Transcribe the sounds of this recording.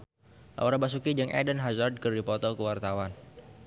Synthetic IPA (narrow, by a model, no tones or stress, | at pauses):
la̰ɔɾabas̬ukid͡ʒəŋʔɛ̰dənɦazard̪̚kərdipɔt̪ɔkəwart̪awan